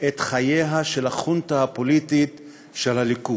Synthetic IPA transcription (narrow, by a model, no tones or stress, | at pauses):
et̪χajeɦaʃe̞lhaχuntahapo̞litit | ʃelaliku